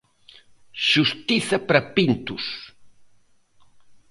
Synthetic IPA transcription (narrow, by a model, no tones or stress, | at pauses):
ʃust̪iθɐpɾɐpint̪us